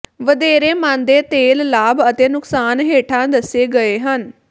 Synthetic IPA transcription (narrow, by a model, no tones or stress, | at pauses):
ʋəd̪eːɾeːmãːnd̪eːt̪eːllaːbət̪eːnʊksaːnɦeːʈʰãːd̪əseːɡəeːɦən